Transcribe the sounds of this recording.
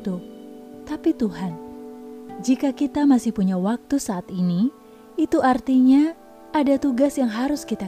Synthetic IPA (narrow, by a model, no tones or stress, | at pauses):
t̪ut̪apit̪uɦan | d͡ʒikakit̪amasɪhpuɲawak̚t̪usaːt̪ini | it̪uʔart̪iɲa | ʔːdat̪uɡasjaŋɦaɾʊskit̪a